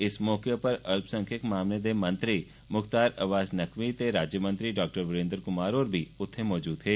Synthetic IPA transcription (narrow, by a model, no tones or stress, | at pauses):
ɪsmɔːkepɐɾɐlpsə̃ŋkʰɪkmaːmned̪emɐ̃nt̪ɾi | mʊxt̪aːɾɐʋaːznɐkʰʋit̪eɾaːd͡ʒjəmə̃nt̪ɾiɖaːk̚ʈəɾʋɪɾẽːnd̪əɾkʊmaːɾoːɾbʱiʊt̪ʰːemɔːd͡ʒuːd̪ɦeː